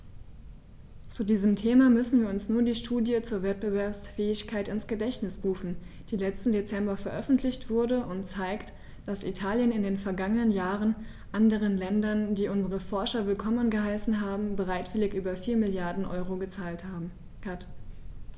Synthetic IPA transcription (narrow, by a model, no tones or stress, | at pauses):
t͡sudiːzəmtʰeːmamʏsn̩viːɐʊnsnuːɐdiːʃtʰuːdjət͡suːɐvɛt̚b̥əvɛɐpsfɛːɪçkʰaɪtɪnsɡ̥ədɛçtnɪsʁuːfn̩d̥iːlɛt͡stn̩det͡sɛmbɐfɛɐʔœfn̩tʰlɪçtv̥ʊɐdəʔʊntt͡saɪkt | d̥asʔḭtʰaːljənɪndeːnfɛɐɡaŋənənjaːʁən | ʔandəʁ̞ənlɛndɐndiːʔʊnzəʁ̞əfɔɐʃɐvɪlkʰɔmənɡəɦaɪsn̩ɦaːbm̩bəʁaɪtv̥ɪlɪçʔyːbɐfiːɐmɪljaɐdn̩ʔɔ̰ʏʁoɡət͡saːlta | at